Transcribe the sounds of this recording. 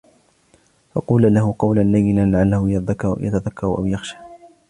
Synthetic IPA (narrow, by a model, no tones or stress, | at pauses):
fɑ̰quːlalaɦʊqɑwlanːajːɪnanlaʕalːahʊjðja̰t̪aðakʰːɑɾˤʔa̰wjaxʃḁː